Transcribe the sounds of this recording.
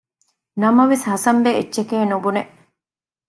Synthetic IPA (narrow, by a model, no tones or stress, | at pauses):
nɐmɐʋeshɐsɐmbeetːʃekeːnubuneʔ